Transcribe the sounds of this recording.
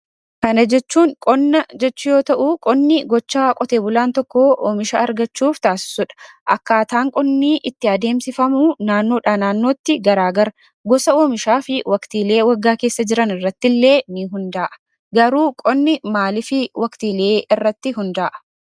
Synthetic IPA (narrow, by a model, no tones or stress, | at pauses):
kɐnɐd͡ʒɛt͡ʃːuːŋkʼɔnːɐd͡ʒɛt͡ʃːʊjo̞ːt̪ɐʔuːkʼɔnːɪɡɔt͡ʃːaːkʼɔt̪e̞ːbʊlaːnt̪ɔkːoʔoːmɪʃa̰ːɐɾɡɐt͡ʃːuːft̪aːsɪ̥sʊᶑɐ̥ʔɐkːaːt̪aːŋkʼɔnːiːʔɪt̪ːɪɐd̪e̞ːmsɪfɐmuːnaːnːo̞ːᶑaːnaːnːo̞ːt̪ːɪɡɐɾaːɡɐɾ | ɡɔsɐoːmɪʃaːfɪwɐkt̪iːle̞ːwɐɡːaːke̞ːsːɐd͡ʒɪɾɐnɪrːɐt̪ːɪlːe̞ːnɪɦʊnd̪aːʔɐ̥ | ɡɐɾuːkʼɔnːɪmaːlɪfɪwʔɐkt̪iːle̞ːɪrːɐt̪ːɪɦʊnd̪aːʔɐ̥